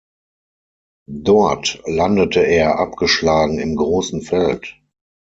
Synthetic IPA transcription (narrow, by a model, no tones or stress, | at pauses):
dɔɐtlandətʰəʔeːɐʔap̚ɡ̥əʃlaːɡŋ̩ɪmɡʁoːsn̩fɛlt